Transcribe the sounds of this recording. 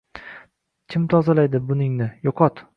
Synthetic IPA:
kʲʰɪmt̪ʰɒzalajd̪ɪbʊnɪŋnɪjɒqʰɒt̪

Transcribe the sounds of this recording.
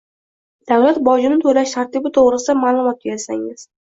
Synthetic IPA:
d̪̥awlat̪bɒd͡ʒɪmɪt̪ʰolaʃt̪ʰaɾt̪ɪbɪt̪ʰoʁɾɪsɪd̪amaːlˠʊmɒt̪̚beɾasa̰ŋɪz̥

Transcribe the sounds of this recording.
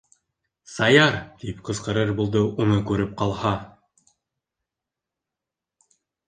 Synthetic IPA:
sɑjɑɾt̪ipqɤ̆zqɤ̆ɾɤɾbulˠd̪ɤʔunɤkʉɾɘp̚qɑlˠhɑ

